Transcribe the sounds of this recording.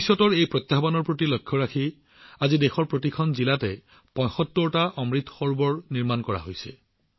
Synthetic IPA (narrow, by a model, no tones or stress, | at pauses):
isɔtɔɹejpɹɔt̪jabanɔɹpɹotilɔjkʰːɔɹakʰi | azidexɔɹpɹotikʰɔnzilatɛ | pɔ̃jxɔtːɔɹɔtaʔɔmɹit̪xɔɹbɔɹniɹmankɔɹa̰ɦojsɛ̰